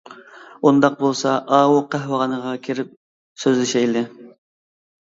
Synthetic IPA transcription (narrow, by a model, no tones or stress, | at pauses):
und̪ɑq̚bolˠsɑʔɑːwuqʰæhwəʁɑnəʁɑkʲʰeɾɪp̚ | søzlɪʃɛjlɪ